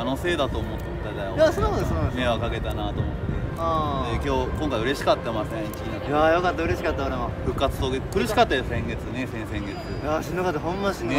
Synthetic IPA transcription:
ano̞se̞ːd̪at̪o̞ːmot̪ːad̪aoasonohod̪osonãnmeokaɡe̞t̪anat̪o̞ːmot̪ːe̞ad̪e̞kʲo̞ːkõ̞ŋkaiɯ̟ɾe̞ɕi̥kat̪ːamasẽiki | jajo̞kat̪ːaɯ̟ɾe̞ɕi̥kat̪ːaoɾemoɸɯ̟kːat͡sɨ̥t̪oɡekɯ̟ɾɯ̟ɕi̥kat̪ːajosẽ̞ŋɡe̞t͡sɨne̞sẽ̞ɰ̃sẽ̞ŋɡe̞t͡sɨjaɕĩnːakat̪ːaɦõmːanɕĩnː

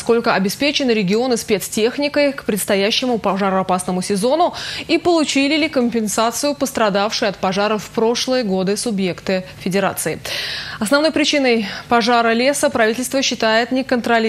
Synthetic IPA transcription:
sko̞lʲkəɐbʲɪspʲet͡ɕɪnɨɾʲɪɡʲɪo̞nɨspʲe̞t̪stʲe̞xnʲɪkəjkpɾʲɪt̪st̪ɐjæɕːɪmʊpɐʐaɾɐpasnəmʊsʲɪzo̞nʊipəlˠʊt͡ɕilʲɪlʲɪkəmʲpʲɪnsat̪sɨjʊpəst̪ɾɐd̪afʂɨjɐt̪pɐʐaɾəfpɾo̞ʂlˠɨjəɡod̪ɨsʊbje̞kt̪ɨfʲɪdʲɪɾa̰t̪sɨɪɐsnɐvnojpɾʲɪt͡ɕinəjpɐʐaɾəlʲe̞səpɾɐvʲitʲɪlʲst̪vəɕːɪt̪ajɪt̪nʲɪkənt̪ɾɐlʲ

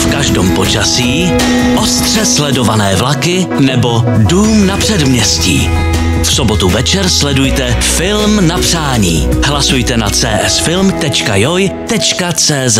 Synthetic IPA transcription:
fkaʒdo̰ːmpo̞t͡ʃasiː | ʔost̪r̝̥ɛslɛdo̞vanɛːvlakɪ | nɛbo̞duːmnapr̥ɛdmɲɛscḭː | fsobot̪uvɛt͡ʃɛɾslɛdujt̪ɛfɪlmnapr̥aːɲḭːɦlasujt̪ɛnat͡sɛːʔɛsfɪlmt̪ɛt͡ʃkajojt̪ɛt͡ʃkat͡sɛːzɛ

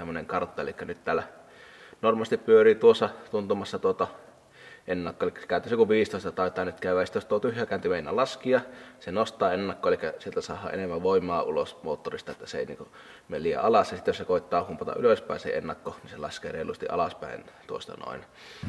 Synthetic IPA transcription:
semːˑoneŋkɑrt̪ːɑḛlikːænyt̪t̪æːlːæ | normɑst̪ippyøriːt̪uosːɑt̪unt̪umɑsːɑt̪uot̪ɑ | ʔenːɑkːoʔelikːæ̥se̥kæˑynt̪ːˑisekuʋiːst̪oˑist̪ɑt̪ɑˑit̪ːˑɑːnyt̪kæˑyʋæːˑjsit̪jost̪uot̪yhjæːˑkæːˑnt̪imeˑinːælɑskiɑsenost̪ˑɑːenːɑkːoelikːæsielt̪æsɑ̰ːhːˑɑ̰ʔḛnemːæʋoˑimːˑɑːulosmoːt̪ːorist̪ɑet̪ːæseḛˑinḭːŋku | meliːæ̰ɑlɑsjɑsit̪ːjosekoˑit̪ːˑɑːhumpɑt̪ɑ̰ʔyløspæˑinsḛenːɑkːoninselɑ̰skḛːreˑilust̪ḭʔɑ̰lɑspæ̰ˑḭnt̪uo̰st̪ɑ̰no̰ˑin

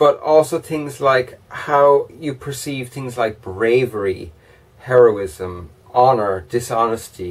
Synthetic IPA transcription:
b̥ʌɾɔlˠsoʊθɪ̃ŋzlaɪkhaʊjəpʰə˞siːv̥θɪ̃ŋzlaɪk̚b̥ɹeɪvəɹi | hɛɹoʊɪzə̃m | ɑnə˞d̥ɪsɑnəstʰi

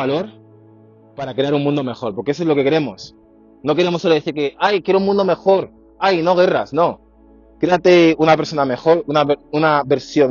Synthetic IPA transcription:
alo̞ɾ | paɾakɾe̞aɾunmũnd̪o̞me̞xo̞ɾpoɾkees̬oezlo̞ke̞keɾe̞mo̞s | no̞ke̞ɾe̞mosːoloeθiɾke̞ajkjeɾouŋmũnd̪o̞me̞xo̞ɾ | ajno̞ɣ̞e̞rasno̞ | kɾe̞at̪e̞unapeɾso̞name̞xo̞ɾunaunaβe̞ɾsjo̞n

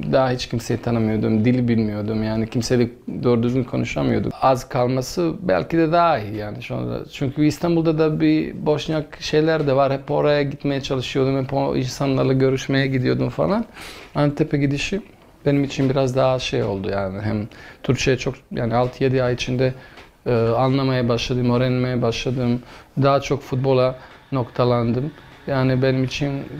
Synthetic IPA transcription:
d̪aɦahit͡ʃcʰimse̞jit̪ʰanɯmɯjo̞d̪umd̪ilʲbilʲmijo̞d̪umjaːnicʰimse̞lʲic̚d̪oːɾud̪yzɡʲynkʰo̞nuʃamɯjo̞d̪ṵazkʰalˠmasɯbæ̰lʲcid̪ɛd̪aːijaːniʃo̰nˠa̰a̰t͡ʃʰyɲcʰyist̪ʰanbulˠd̪ad̪abibo̞ʃnakʃe̞jlʲæɾd̪ɛvaɾhɛpo̞ɾajaɟit̪me̞jɛt͡ʃʰalˠɯʃɯjo̞d̪umhɛpoḭnsanlˠaɾlˠaɟø̞ɾyʃme̞jɛɟid̪ijo̞d̪umfa̰lˠanant̪ʰepʰeɟid̪iʃi | b̥e̞nimit͡ʃʰinbiɾazd̪aɦaʃejo̞̰lˠd̪ujaːnɪɦæmt̪ʰyɾkt͡ʃʰejɛt͡ʃʰo̞kjaːnialˠt̪ʰɯje̞d̪iajit͡ʃʰind̪ɛ | ɯːanlˠamajabaʃlˠad̪ɯmøɾɛnmejɛbaʃlˠad̪ɯmd̪aɦat͡ʃʰo̞kfut̪̚bo̞lˠa | no̞kt̪ʰalˠand̪ɯmjaːnibe̞nimit͡ʃʰin

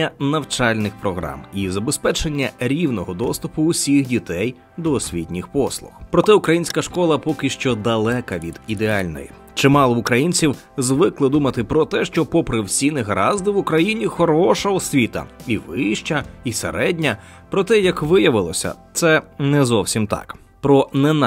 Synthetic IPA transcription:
nʲːɐnɐwt͡ʃɑlʲnɪxpɾɔɦɾɑ̰mizɐbespɛt͡ʃenʲːɐɾʲiwnɔɦɔd̪ɔst̪ʊpʊːsʲixdʲit̪ɛj | d̪ɔːsʲʋʲit̪ʲnʲɪxpɔslˠʊ̰xpɾɔt̪ɛʊkɾɐjinʲsʲkɐʃkɔlˠɐpɔkɪʃt͡ʃɔd̪ɐlˠɛkɐʋʲid̪̥id̪eɑlʲnɔ̰jḭ | t͡ʃɪmɑlˠɔʊkɾɐjinʲt͡sʲiw | zʋɪklˠɪd̪umɐt̪ɪpɾɔt̪ɛʃt͡ʃɔpɔpɾɪwsʲinɪɦɾɑzd̪ɪʋʊkɾɐjinʲixɔɾɔʃɐɔsʲʋʲit̪ɐ̰iʋɪʃt͡ʃɐisḛɾɛdʲnʲɐ | pɾɔt̪ɛjɐkʋɪjɐʋɪlˠɔsʲɐ̰t̪sɛnɛzɔwsʲimt̪ɑ̰k | pɾɔnɛn

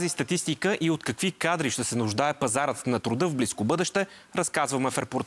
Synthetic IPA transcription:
zist̪ɐt̪ist̪ikəʔiot̪kɐkvikad̪ɾiʃt̪ɛsɛnʊʒd̪aɛpɐzaɾət̪nɐt̪ɾʊd̪ɤvbliskobɤd̪ɛʃt̪ɛ | ɾɐskazvɐmɛfɛɾpʊɾt̪

